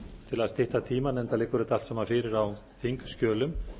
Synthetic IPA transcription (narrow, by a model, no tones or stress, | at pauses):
t̪ʰɪlast̪ɪht̪at̪ʰiːmanɛnt̪alejkʏɾɪt̪al̥t̪samaɾfɪːɾɪɾaw | θiŋkskcœːlʏm